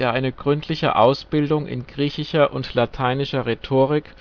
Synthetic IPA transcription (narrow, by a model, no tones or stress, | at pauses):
eːɐʔaɪnəɡ̥ʁʏntʰlɪçə̰ʔaʊsb̥ɪldʊŋʔɪ̰nɡ̥ʁiːçɪʃɐʔʊntlatʰaɪnɪʃɐʁetʰoːʁɪk